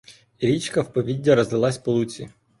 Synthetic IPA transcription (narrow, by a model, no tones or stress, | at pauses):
iɾʲit͡ʃkɐwpɔʋʲidʲːɐɾɔzɪlˠɑsʲpɔlˠut͡sʲḭ